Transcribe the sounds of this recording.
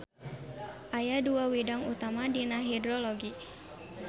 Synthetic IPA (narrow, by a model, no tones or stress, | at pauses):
ʔajaduawidaŋut̪amadinaɦidɾɔlɔɡi